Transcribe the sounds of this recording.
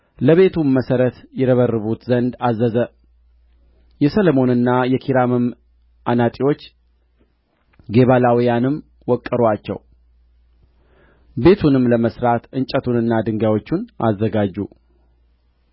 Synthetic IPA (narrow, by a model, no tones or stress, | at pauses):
ləβe̞t̪ʰuməsəɾət̪jɛɾəβərːɨβut̪zənd̪azːəzə | jɛsələmo̞nɨnːajɛkʰiɾamɨm | ʔanat̪ʼiwo̞t͡ʃː | ɡe̞βalawijanɨm | wɔkʼːəɾwat͡ʃːɛ̰w | be̞t̪ʰunɨmləməsɾat̪ʔɨnt͡ʃʼət̪ʰunɨnːad̪ɨŋɡawo̞t͡ʃːunʔa̰zːəɡad͡ʒːu